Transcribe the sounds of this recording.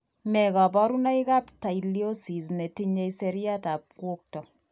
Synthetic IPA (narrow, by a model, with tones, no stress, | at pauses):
mɛ˨ka˨pɔ˦ɾu˦na˦i˦ka˦pta˨ilio˦si˨s̬ne˨ti˦ɲe˦ise˨ɾja˦ta˨p̚kwo˦k̚tɔ˨